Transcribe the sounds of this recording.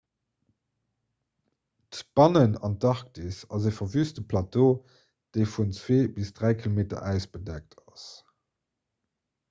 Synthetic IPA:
tb̥ɑnənɑ̰ntɑʁk̚tisɑzeːfɐvyːstəpʰlɑto | d̥eɪfunt͡sweːbisd̥ʁæɪkʰilomeːtɐ̰ʔæʊsb̥ədæk̚tʰɑs

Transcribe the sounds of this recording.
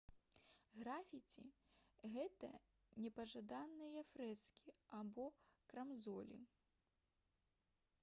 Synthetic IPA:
ɣɾafʲit͡sʲḭ | ɣɛt̪ɐ̰ | nʲɛpɐʐad̪anːɨjɐfɾɛskʲiabɔkɾɐmzɔlʲḭ

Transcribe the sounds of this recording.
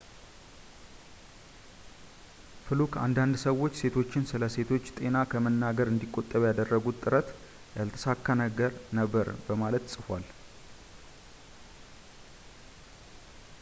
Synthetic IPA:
fɨlukʰa̰nd̪and̪səwo̞t͡ʃːse̞t̪ʰo̞t͡ʃːɪnsɨləse̞t̪ʰo̞t͡ʃːt̪ʼe̞nakʰəmənːaɡəɾɨnd̪ikʼːo̞t̪ʼːəβjad̪ərːəɡut̪ʼːɨɾət̪ | jalt̪ʰə̥sakːanəɡəɾnəbːəɾbəmalət̪sʼɨfal

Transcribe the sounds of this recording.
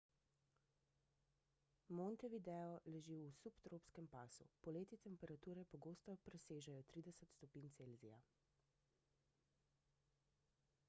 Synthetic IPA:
mɔnt̪ɛʋid̪ɛːɔlɛʒiwusupt̪ɾopskɛmpaːsṵpɔleːt̪it̪ɛmpɛɾat̪uːɾɛpɔɡoːst̪ɔpɾɛseːʒajɔt̪ɾiːd̪ɛsɛt̪st̪ɔpiːnt̪seːlzija

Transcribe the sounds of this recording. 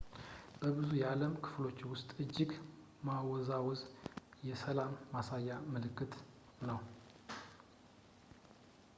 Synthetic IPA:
b̥əbɨzujɛaləmkʰɨ̥flo̞t͡ʃːwʊst̪ʼɨd͡ʒːɪɡ | mawɔzawɔzjɛsəlamːasajːamɨlɨkːɨt̪ | nəw

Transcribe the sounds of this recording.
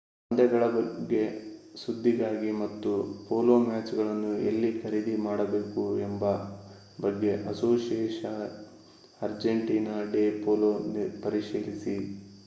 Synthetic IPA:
ɐnd̪ɛɡɐɭɐbɐɡːe̞sud̪ʱːiɡaːɡimɐt̪ːupoːloːmaːt͡ʃɡɐɭɐnːuḛlːikʰɐɾid̪imaːɽɐbe̞ːkuɛmbɐ | bɐɡːe̞ʔɐsoːsieːʃɐ | ɐɾd͡ʒeɳʈiːnaːɖeːpoːloːnpɐɾiʂiːlisi

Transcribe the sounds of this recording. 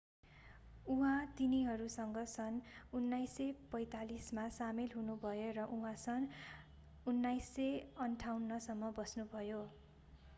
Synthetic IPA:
uɦãt̪iniɦʌɾusʌŋɡʌsʌnunːajsepʌjt̪alismasamelɦunubʱʌjorʌʔuɦãsʌn | unːajsːeʌnʈʰawnːʌsʌmːʌbʌsnubʱʌjo

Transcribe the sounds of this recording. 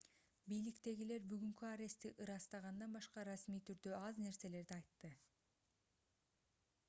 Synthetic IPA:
bijlikt̪e̞ɡile̞ɾbyɡyŋkyaɾe̞st̪iʔɯɾɑst̪ɑʁɑnd̪ɑnbɑʃqɑɾɑsmijt̪ʰyɾd̪øɑzne̞ɾse̞le̞ɾd̪iɑjt̪ːɯ

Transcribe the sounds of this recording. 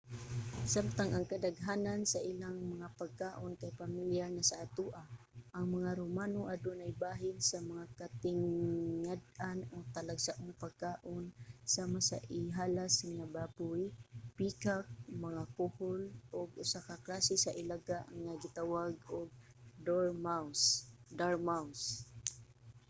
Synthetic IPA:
samt̪aŋʔɐŋkɐd̪aɡɦaːnansɐʔɪlaŋmɐŋapɐɡ̚kaːʔonkajpamɪljaɾnɐsaʔːt̪uʔaʔɐŋmɐŋaɾomaːnoʔad̪onajbaːɦɪnsɐmɐŋakat̪ɪŋːad̪̚ʔanot̪ɐlaɡsaʔʊŋpɐɡ̚kaːʔonsaːmasɐ̰ʔɪɦaːlasŋŋabapʊjpiːkak̚mɐŋakʊholʔoɡʔʊsakaklaːsɪsɐʔɪlaɡaʔɐŋnaɡɪt̪awaɡ̚oɡ̚ | d̪oɹmawsd̪aɹmaws

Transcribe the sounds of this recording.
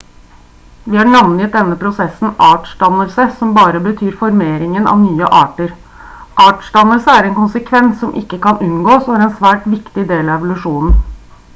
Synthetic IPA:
ʋɪhɑɳɑʋnjət̪̚d̪ɛnːəpʰɾʊsɛsːn̩ʔɑːʈʂdɑnːəlsəsɔmbɑːɾəbət̪ʰyːɾfɔɾmeːɾɪŋənʔɑ̰ʋnyːə̰ʔɑːʈəɾ | ʔɑːʈʂdɑnːəlsəæɾɛnkʊnsəkʰʋɛnsːɔmʔɪ̰kːəkɑnʉnɡoːsɔæɾɛnsʋæːʈʋɪkt̪ɪd̪eːlɑɛʋʊlʉʂuːnn̩

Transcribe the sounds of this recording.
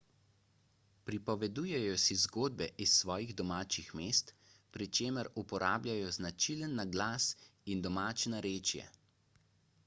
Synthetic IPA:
pɾipɔʋɛd̪ujɛjɔsizɡoːd̪̚bɛʔisːʋɔːjiɣd̪ɔmaːt͡ʃixmeːst̪pɾit͡ʃeːməɾupɔɾaːblʲajɔznat͡ʃilənːaɡlaːsind̪ɔmaːt͡ʃnaɾeːt͡ʃjɛ̰

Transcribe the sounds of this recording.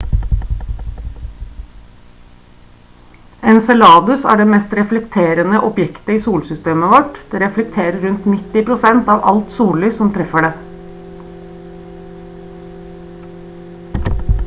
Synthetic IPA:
ɛnsɛlɑːd̪ʉsæ̰ːɖeːmeːst̪ɾɛflɛkt̪ʰeːɾənəʔɔpjɛkt̪əiːsuːlsʏst̪eːməʋɔʈd̪̥eːɾɛflɛk̚t̪ʰeːɾəɾʉnt̪nɪt̪ɪpɾʊsɛnt̪ɑːʋʔɑ̰lt̪suːllyːsɔmt̪ʰɾɛfəɖeː

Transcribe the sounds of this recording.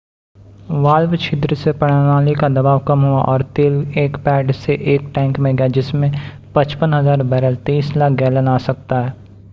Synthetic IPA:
ʋaːlʋt͡ʃʰɪd̪ɾsepɐɽ̤ənaːlikad̪ɐbaːʋkɐmɦuaʔɔːɾt̪eːleːkpɛːʈseʔeːkʈɛ̃ːŋkmẽɡɐjad͡ʒɪsmẽ | pɐt͡ʃpənɦɐzaːɾbɛːɾəlt̪iːslaːk̚ɡɛːlənaːsɐk̚t̪aɦɛː

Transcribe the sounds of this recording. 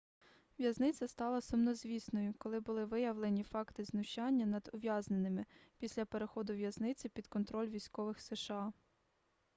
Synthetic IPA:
ʋjɐznɪt͡sʲɐst̪ɑlˠɐsʊmnɔzʲʋʲisnɔjʊkɔlˠɪbʊlˠɪʋɪjɐʋlˠenʲifɑkt̪ɪznʊʃɑnʲːɐnɐd̪ʊʋʲjɑznenɪmɪpʲisʲlʲɐpe̞ɾexɔd̪ʊʋjɐznɪt͡sʲɪpʲid̪kɔnt̪ɾɔlʲʋʲisʲkɔʋɪxseʃɑ

